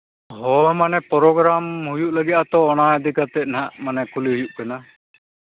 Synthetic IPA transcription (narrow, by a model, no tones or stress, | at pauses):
ɦɔmanɛpɔɾɔɡɾamhujuʔlaɡit̪at̪ɔːnaad̪ikat̪ɛnaʔmanɛkuliɦujuʔkana